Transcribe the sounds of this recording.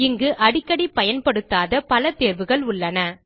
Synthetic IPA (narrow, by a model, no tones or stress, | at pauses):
ɪŋɡɯʔɐɽɪkːɐɽipɐjɐnpɐɽɯt̪ːaːðɐpɐlɐt̪eːɾʋɯɣɐɭʊɭːɐnɐ